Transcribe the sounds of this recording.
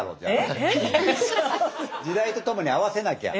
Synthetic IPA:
ɾoːt̪a | d͡ʑid̪ait̪o̞t̪o̞mo̞ɲ̟iaβase̞nakea̰

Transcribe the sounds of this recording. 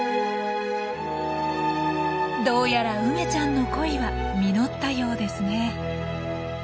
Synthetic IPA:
d̪o̞ːjaɾaɯ̟me̞t͡ɕãnːo̞ko̞iβa | mʲino̞t̪ːajo̞ːd̪e̞sɨne̞

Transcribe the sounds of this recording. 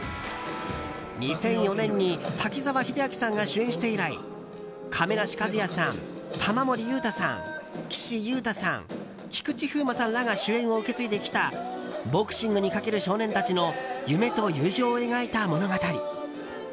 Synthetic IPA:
ɲ̟isẽ̞ɰ̃jo̞nẽ̞ɲ̟ːit̪ʰakʲizaβaçid̪ejakʲi̥sãŋɡaɕɨẽ̞ɰ̃ɕi̥t̪e̞iɾaḭ | kʰame̞naɕi̥kazɨjasã̰n | t̪ʰamamo̞ɾʲijɯːt̪asã̰ŋkʲi̥ɕijɯ̟ːt̪asã̰ŋ | kʲi̥kɯ̟t͡ɕiɸɯ̟ːmasãnlːaŋaɕɨẽ̞ɰ̃o̞ɯ̟ke̞t͡sɨit̪e̞kʲi̥t̪abo̞kɯ̟̥ɕĩŋɡɯ̟ɲ̟ikake̞ɾɯ̟ɕo̞ːnẽ̞nt̪at͡ɕino̞jɯ̟me̞t̪o̞jɯ̟ːʑoːe̞ɡait̪amo̞no̞ɡat̪aɾʲḭ

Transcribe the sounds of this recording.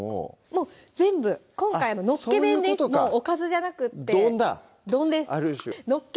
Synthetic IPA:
o̰mo̞ː | zd͡zẽ̞mbɯ̟kõ̞ŋkaiano̞no̞koːemẽd̪est̪omoːokazɨʑanakɯ̟t̪dːeõnd̪a̰ | d̪õ̞nd̪e̞saɾɯɕno̞kː

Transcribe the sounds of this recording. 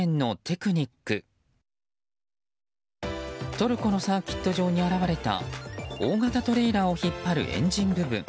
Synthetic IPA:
ẽnːo̞t̪ʰe̞kɯ̟ɲ̟ikːɯ̟ | t̪o̞ɾɯ̟ko̞no̞saːkʲi̥t̪ːo̞ʑo̞ːɲ̟iaɾaβaɾe̞t̪a̰o̞ːɡat̪at̪o̞ɾe̞ːɾao̞çipːaɾɯ̟̰ʔẽ̞̰ɲ̟d͡ʑĩmbɯ̟bɯ̟̰̃ŋ

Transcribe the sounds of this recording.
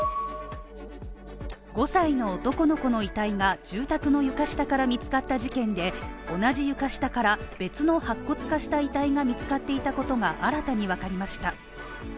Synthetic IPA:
ɡo̞saino̞ːt̪o̞ko̞no̞ko̞no̞it̪aiŋaʑ̥ɨːt̪akɯ̟no̞jɯ̟kaɕi̥t̪akaɾamʲit͡sɨ̥kat̪ːaʑikẽ̞nd̪e̞o̞naʑijɯ̟kaɕi̥t̪akaɾab̥e̞t͡sɨno̞hakːo̞t͡sɨ̥kaɕi̥t̪ait̪aiŋamʲit͡sɨ̥kat̪ːe̞it̪ako̞t̪o̞ŋaʔaɾat̪aɲ̟iβ̞akaɾʲimaɕi̥t̪a

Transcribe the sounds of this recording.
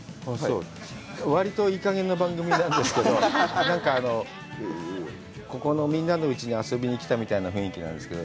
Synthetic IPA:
hooː | βaɾʲit̪o̞ikaɡẽ̞nːobãŋɡɯ̟mʲinãnd̪e̞sɨ̥ke̞o̞nãŋkaːno̞ | ko̞ko̞no̞mʲĩnːano̞ɯ̟t͡ɕiɲ̟iaso̞bʲiɲ̟ikʲi̥t̪amʲit̪ainaɸɯ̟̃ɰ̃ikʲinã̰nd̪e̞sɨ̥ked̪o

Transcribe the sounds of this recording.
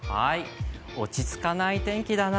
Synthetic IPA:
ha̰i | o̞t͡ɕit͡sɨ̥kanait̪ẽ̞ŋkʲid̪ana

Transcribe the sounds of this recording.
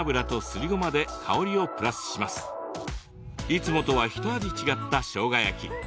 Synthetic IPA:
bɯ̟ɾat̪o̞sɨɾʲiɡo̞mad̪e̞kʰao̞ɾʲio̞pɯ̟ɾasɨ̥ɕimasɨ̥ | it͡sɨmo̞t̪o̞βaçi̥t̪oad̪ʲit͡ɕiɡat̪ːaɕo̞ːɡajakʲi

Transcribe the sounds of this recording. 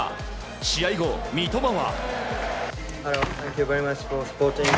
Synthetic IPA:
ɕiaiɡomʲit̪omaβa̰ | haɾot̪ʰæ̃ŋkjuveɾimat͡ʃfosə̥poːtĩŋ

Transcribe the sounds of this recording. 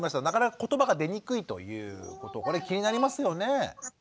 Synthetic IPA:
maɕt̪anakanakḁko̞t̪o̞baɡad̪e̞ɲ̟ikɯ̟it̪o̞̰jɯ̟̰ːko̞t̪oko̞ɾekʲiɲ̟inaɾʲimasɨjo̞ne̞

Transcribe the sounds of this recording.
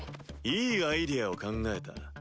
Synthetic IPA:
iajdiaokaŋɡaɦet͈ːa̰

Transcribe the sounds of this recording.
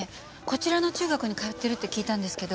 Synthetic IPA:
e | ko̞t͡ɕiɾano̞t͡ɕɨːɡakɯ̟ɲ̟ikaet̪ːe̞ɾɯ̟t̪ːe̞kʲiːt̪ãnd̪e̞sɨ̥ke̞d̪o

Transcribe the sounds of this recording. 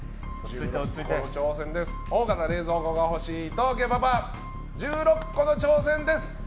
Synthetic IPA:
kot͡ɕo̞ːsẽ̞nd̪e̞sɨ̥oːɡat̪aɾe̞ːzo̞ːɡoɡaho̞ɕiːt̪oɡebaba | d͡ʑɨːɾo̞kːo̞no̞t͡ɕo̞ːsẽ̞nd̪e̞sɨ̥

